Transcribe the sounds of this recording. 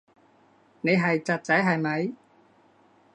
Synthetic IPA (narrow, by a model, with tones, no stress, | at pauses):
ne˨˩ɦa˧˩jt͡ɕa˨˩t̚t͡ɕaː˧˥jɦaː˧˩jma˨˦j